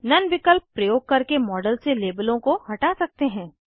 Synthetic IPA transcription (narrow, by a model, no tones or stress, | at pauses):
nɐnʋɪkəlpːɾɐjoːɡ̚kɐɾkemɔːɖəlseleːbəlõkohɐʈasɐk̚t̪eɦɛ̃ː